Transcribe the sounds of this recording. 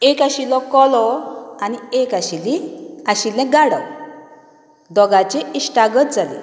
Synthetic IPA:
ekaɕilɔkɔlɔaniekaɕiliaɕilɛ̃ɡaɽə̰ | d̪ɔɡat͡ɕeisʈaɡət̪̚d͡zalḛ

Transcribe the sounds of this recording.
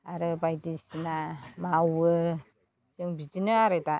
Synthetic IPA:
aɾɯbajtisinamawɯ | sɯŋbid͡ʒinɯaɾɯta

